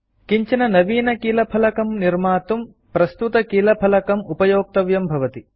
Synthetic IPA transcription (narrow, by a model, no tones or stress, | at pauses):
kiɲt͡ʃɐnɐnɐʋiːnɐkiːlɐpʰɐlɐkɐmniɾmaːt̪um | pɾɐst̪ut̪ɐkiːlɐpʰɐlɐkɐmupɐjoːk̚t̪ɐʋjɐmbʱɐʋɐt̪i